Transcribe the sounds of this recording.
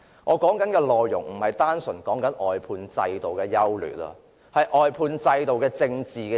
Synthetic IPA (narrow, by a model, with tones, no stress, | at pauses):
ŋʔɔː˨˧kɔː˨˥ŋkɐ˨˥nkɛː˧lɔː˨jːʊ˨˩ŋm̩˨˩hɐ˨jt̪aː˥nsɵ˨˩nkɔː˨˥ŋkɐ˨˥nʔɔː˨˩jpʰuː˧nt͡sɐ˧jt̪o˨wkɛː˧jɐ˥wly̰ː˨˩tɐ̰˧ | hɐ˨jʔɔː˨jpʰuː˧nt͡sɐ˧jt̪o˨wkɛː˧t͡sɪ˧ŋt͡siː˨kɛ˧